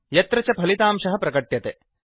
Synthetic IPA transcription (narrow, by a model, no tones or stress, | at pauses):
jɐt̪ɾɐt͡ʃɐpʰɐlit̪aːmʂɐɦɐpɾɐkɐʈjɐt̪e